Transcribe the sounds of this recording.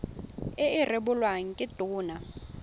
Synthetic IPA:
ɪɪrɪbʊlwaŋ̩kʼɪtʼuːna

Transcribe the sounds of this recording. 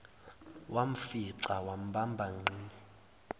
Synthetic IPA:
wʔam̩fiǀawam̩ɓambʱaŋ͡ǃiːni

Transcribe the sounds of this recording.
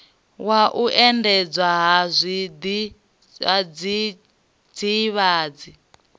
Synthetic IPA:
waʔuʔɛndɛd͡zwaɦazʷid̪i | ad͡zi | d͡ziβaːd͡zi

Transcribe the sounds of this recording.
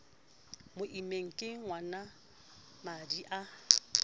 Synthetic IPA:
mʊʔimeŋ̩kʼɪŋwana | madiʔa

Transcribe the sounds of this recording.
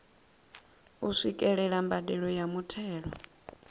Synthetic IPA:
usʷikʼɛɺɛɺambadɛɺɔjamutʰɛːɺɔ

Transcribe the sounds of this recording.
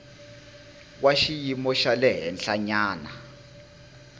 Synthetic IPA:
k̬waʃijimɔʃalɛɦɛnɬaɲaːna

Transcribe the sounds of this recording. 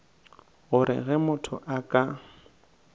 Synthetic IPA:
ɣʊɾɪ̰ɣɛmʊtʰʊ̰ʔakʼa

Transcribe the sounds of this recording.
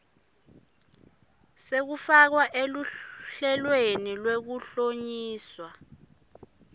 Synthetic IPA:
sek̬ufak̬waʔeluɬɛlwenilwek̬uɬoɲiːswa

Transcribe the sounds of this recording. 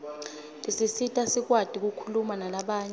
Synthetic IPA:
lʼisisitʼasik̬wad̥ʱik̬ukʰulumanalaɓaːɲɛ

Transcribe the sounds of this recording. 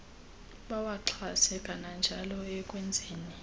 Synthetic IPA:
ɓawaǃʰasɛkʼanand͡ʒʱalɔɛkʼwɛnd͡zʱeːni

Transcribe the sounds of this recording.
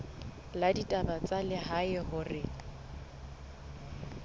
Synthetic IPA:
laditʼabat͡sʼalɪɦaɪɦʊrɪ

